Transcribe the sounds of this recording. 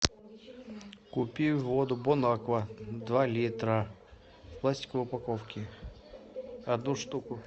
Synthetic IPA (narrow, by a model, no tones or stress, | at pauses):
kʊpʲivod̪ʊbɔnakvɐd̪valʲit̪ɾə̥ | plˠasʲtʲɪ̥kʊʊpɐkofkʲɪ | ɐd̪nuʂt̪ukʊ